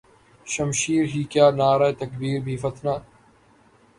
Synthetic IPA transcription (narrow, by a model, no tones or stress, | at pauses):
ʃɐmʃiːɾɦiːkjaːnaːɾaet̪ɐkbiːɾbʱiːfɐt̪ʰnaː